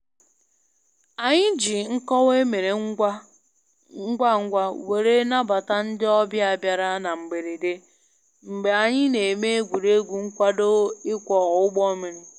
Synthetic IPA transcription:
a˨ɲɪ˦d͡ʒi˨ŋ̩˦kɔ˦we˦me˨ɾe˨˦ | ɡʷa˦ŋ̩˦ɡʷa˦we˨ɾe˦na˦ba˨ta˦n̩˦dɪ˦ɔ˦bja˦a˨bja˨ɾa˦na˨ŋ͡m̩˨ɡ͡be˨ɾe˨de˦ | m̩˨ɡ͡be˨a˨ɲɪ˦ne˨me˦e˦ɡʷu˨ɾe˦ɡʷu˨ŋ̩˦kʷa˦do˦ɪ˦kʷɔ˨ɣʊ˦ɡ͡bɔ˦me˨ɾɪ˨

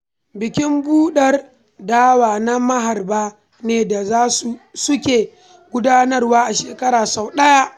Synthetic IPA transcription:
bɪ˨kʲɪ˦mbuː˦ɗɐ˦r | daː˦waː˨na˦mɐ˦ɦa˨rbaː˦ | neː˨da˨zaː˦su˨sʊ˦kʲeː˨ | ɡʷʊ˦daː˦nɐ˦rwaː˦ʔa˨ʃeː˨kɐ˦ɾaː˨sa˨wɗɐ˦ja˦ʔ

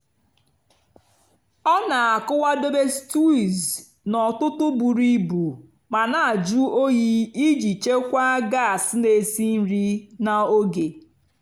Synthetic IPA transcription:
ɔ˦na˨a˨kʊ˦wa˦do˦be˦stu˦i˨z | nɔ˨tʊ˦tʊ˦bu˨ɾi˦bu˨ | ma˨na˨a˨d͡ʒu˦o˦ji˦i˦d͡ʒi˨t͡ʃe˦kʷa˦ɡa˦˨sne˨si˦n̩˦ɾi˦na˨o˦ɡe˨

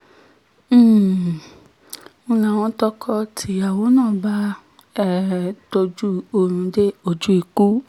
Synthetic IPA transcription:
ũ˧˦nã˨w̃ɔ̃˧˦tɔ˦kʰɔ˦tʰi˨˦a˦˨wo˨˦nãː˦˨ba˦ | ɛ˦˨to˧d͡ʒu˦o˧ɾ̃ũ˧de˦o˨d͡ʒu˦i˨ku˦

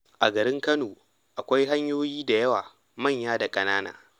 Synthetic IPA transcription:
ʔa˨ɡɐ˨ɾɪ˦ŋkɐ˦noː˨ | ʔa˨kʷa˦jɦa˦ɲjoː˦jiː˦da˨jɐ˦waː˨ | mɐ˦˨ɲjaː˦da˨kʼɐ˦naː˦na̰ː˨

